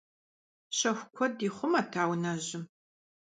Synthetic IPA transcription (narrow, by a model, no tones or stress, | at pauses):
ɕɐxʷkʷʰɔdiːχʷʊmaːtʰaːwnɐʑɪm